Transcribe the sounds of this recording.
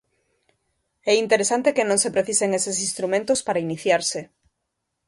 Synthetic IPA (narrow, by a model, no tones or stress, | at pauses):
ɛint̪eɾesant̪ekenõŋsepɾeθiseŋesesĩnst̪ɾumẽnt̪ospaɾainiθjaɾsɪ